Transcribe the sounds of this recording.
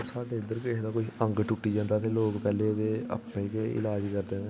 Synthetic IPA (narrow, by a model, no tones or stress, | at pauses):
saːɖeːɪnd̪əɾked̪aːkoːiʔə̃ŋɡʈʊʈːiːd͡ʒãːnd̪aːt̪ʰeːloːkpɛːleːd̪eːə̰pːẽkeɪ̰laːd͡ʒkəɾd̪eːnẽː